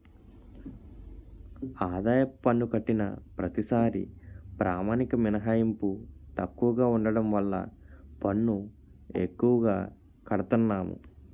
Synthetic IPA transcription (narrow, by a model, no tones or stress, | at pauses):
aːd̪aːjɐpːɐnːukɐʈːinɐ̰pɾɐt̪isaːɾḭpɾaːmaːnikɐminɐɦaːjɐmput̪ɐkːuʋɐɡaːuɳɖɐɽɐmʋɐlːɐ̰ | pɐɳːu | ḛkːuʋɐɡaː | kɐɽɐt̪unːaːmṵ